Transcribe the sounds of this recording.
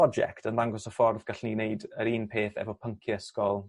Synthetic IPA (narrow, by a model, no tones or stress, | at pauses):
ɔd͡ʒɛ̰ktʰənðaŋɡɔsɔfɔrðɡ̥aɬnineɨdəɾiːnpʰeːθɛ̰vɔpʰəŋkʰjɛskɔlˠ